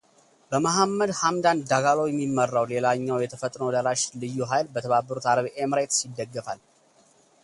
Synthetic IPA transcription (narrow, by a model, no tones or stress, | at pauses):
bəmaɦamːəd̪hamd̪and̪aɡalowjɛmːimːərːawle̞laɲːawjɛt̪ʰəfət̪ʼnəwd̪əɾaʃlɨjːuɦajlbət̪ʰəβabːəɾut̪ʰaɾəβʔemɾet̪sɪd̪ːəɡːəfal